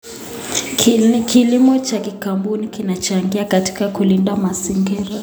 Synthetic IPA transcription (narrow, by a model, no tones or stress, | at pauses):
kilimɔt͡ʃakikambunikinat͡ʃaŋɡiakati̥kakulindamaziŋɡiɾa